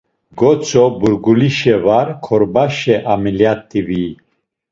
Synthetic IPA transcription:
ɡɔt͡sʰʼɔbuɾɡuliʃɛvaɾkʰɔɾbaʃɛʔamiljat̪ʰʼːivi

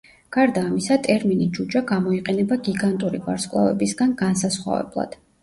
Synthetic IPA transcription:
ɡ̥aɾd̪aːmisat̪ʼɛɾminid͡ʒud͡ʒaɡamɔiqʼɛnɛbaɡiɡant̪ʼuɾiva̰ɾskʼlˠa̰vɛ̰bisɡanɡansasχwa̰vɛ̰blˠa̰d̪̥

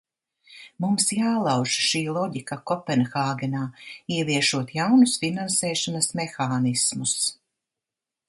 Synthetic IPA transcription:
mumsjaːlˠɑwʒʃiːlˠɔɟikakɔpɛnxaːɡɛnaːiɛviɛʃuɔt̪jawnusfinansɛːʃɔnɐsmɛxaːnismus

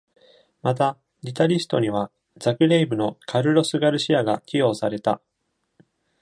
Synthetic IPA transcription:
mat̪a | ɾʲit̪aɾʲisɨ̥t̪o̞ɲ̟iβ̞a | d͡zakɯ̟ɾe̞ibɯ̟no̞kʰaɾɯ̟ɾo̞sɨɡaɾɯ̟ɕiaɡakʲijo̞ːsaɾe̞t̪a

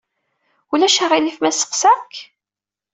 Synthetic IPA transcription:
ulæʃaʁilifmæsə̥qsæk

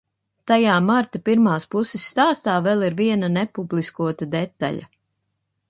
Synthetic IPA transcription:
t̪ajaːmaɾt̪apiɾmaːspusɪsːt̪aːst̪aːvɛlˠiɾviɛnanɛpublˠiskuɔt̪ad̪ɛt̪ːa̰ʎʲa̰

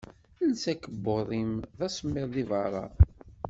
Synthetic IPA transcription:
ənsækːəbːoðˤimðæsˤəmːɪðˤðivɑɾˤɑ̰

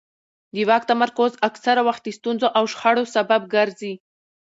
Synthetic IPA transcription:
d̪iwɑk̚t̪amaɾkozaksaɾawaxt̪̚d̪ist̪unzoʔawʃxaɽosabab̚ɡaɾzi

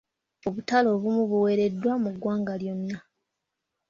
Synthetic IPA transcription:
o̞βutalo̞ːβumuβuwe̞ɾe̞dːwamuɡwaːŋɡaljo̞nːa

